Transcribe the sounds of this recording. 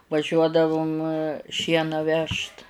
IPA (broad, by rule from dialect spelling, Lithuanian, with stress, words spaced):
ʋɐˈʒʲuɔdɐʋʊm ˈʃʲiɛnɑː ˈʋʲɛʃt